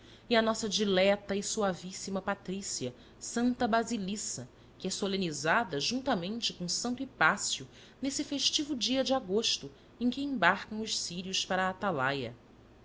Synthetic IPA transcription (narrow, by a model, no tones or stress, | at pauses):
iɐnɔsɐd͡ʒilɛt̪ɐisuavisimɐpat̪ɾisiɐ | sɐ̃nt̪ɐbɾazilisɐ | kɪɛsolẽnizad̪ɐʒũnt̪ɐmẽnt͡ʃɪkõsɐ̃nt̪ʊipasiʊ | nesɪfeʃt͡ʃivʊd͡ʒiɐd͡ʒɪaɡoʃt̪ʊ | ẽj̃kɪẽbaɾkɐ̃w̃ʊʃsiɾiʊʃpaɾɐːt̪alajɐ̰